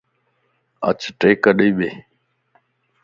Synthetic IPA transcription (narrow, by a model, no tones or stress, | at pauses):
ə̰t͡ʃʈeːkəɗiːɓeː